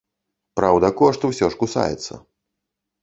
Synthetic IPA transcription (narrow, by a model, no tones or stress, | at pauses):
pɾawd̪ɐkɔʂt̪uwsʲɔʂkusa̰jɛ̰t̪sːɐ̰